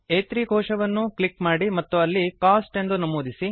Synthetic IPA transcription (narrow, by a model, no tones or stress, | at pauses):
eːt̪ɾiɡʱɔːʂɐʋɐnːuklikmaːɽimɐt̪ːuɐlːikaːsʈe̞nd̪unɐmuːd̪isi